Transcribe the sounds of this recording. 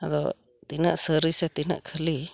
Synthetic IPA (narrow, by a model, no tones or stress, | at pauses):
adɔ̰ | t̪inə̰ʔsəɾisɛt̪inə̰ʔkʰəli